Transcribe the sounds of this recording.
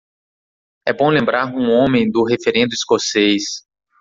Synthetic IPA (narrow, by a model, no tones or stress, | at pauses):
ɛbõlẽmbɾaɾũõmẽj̃d̪ʊɦefeɾẽnd̪ʊiskosejs